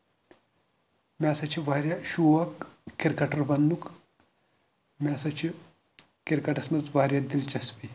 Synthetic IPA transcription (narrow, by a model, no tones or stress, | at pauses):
mʲaːsɐt͡ʃʰiʋaːɾʲjaʃuːʋɐkːiɾkɐʈɐɾbɐnd̪uk | mʲaːsɐt͡ʃʰi | kiɾkɐʈɐsmɐt͡sʋaːɾʲjad̪ilt͡ʃɐspi